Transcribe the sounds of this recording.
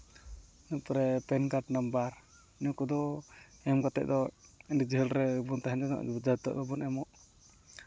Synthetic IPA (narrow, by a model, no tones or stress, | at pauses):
nupɾɛpɛnkaʈnambaɾ | nɔkɔd̪ɔ | ɛmɡat̪ɛ̰ʔ̚d̪ɔindid͡ʒəɦəlɾɛbunt̪aɦɛnɛnɔ̰ʔd͡ʒat̪ɔ̰ʔd̪ɔbɔnɛmɔʔ